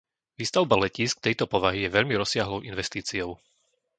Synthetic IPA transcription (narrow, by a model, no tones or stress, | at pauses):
ʋiːst̪aʊbalɛciːsk̚t̪ɛjt̪ɔpɔʋaɦijɛʋɛʎmiɾɔsɪaɦlɔʊʔinʋɛst̪iːt͡siɔʊ